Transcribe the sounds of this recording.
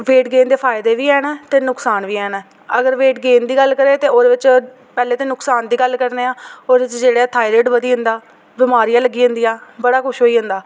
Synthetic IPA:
ʋeːʈɡeːnd̪eːpʰaːɪd̪eːʋiːɛːnːt̪eːnʊksaːnʋiːɛːnː | əɡəɾʋeːʈɡeːnd̪iːɡəlːkəɾeːt̪eːoːd̪eːʋɪt͡ʃ | pɛːleːt̪eːnʊksaːnd̪iːɡəlːkəɾneːaːoːd̪ʋɪt͡ʃd͡ʒeːɽeɛːt̪ʰaːiɾeːʈʋəd̪iːɦʊ̃nd̪aː | bɪmaːɾijaːləɡiːɦʊ̃nd̪iːjaːbəɽaːkʰʊʃɦoːiːɦʊ̃nd̪aː

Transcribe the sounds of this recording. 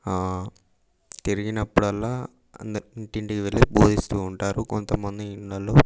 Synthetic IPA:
t̪iɾiɡinɐpːuɽɐlːaː | ɐ̰nd̪ɐɳʈiɳʈikiʋeɭːiboːd̪ʱist̪uːɳʈaːɾukont̪ɐmːɐnd̪iiɳɖɐlo

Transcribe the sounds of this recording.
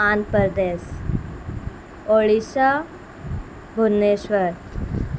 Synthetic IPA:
anpəɾd̪es | oɭiɕa | bʱunːeɕʋəɾ

